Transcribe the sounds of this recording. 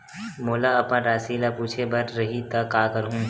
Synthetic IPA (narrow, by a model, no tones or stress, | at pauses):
moːlaɐpnãɾaːsilapuːt͡ʃʰebɐɾɾɐɦit̪ɐkːaːkɐɾɦũː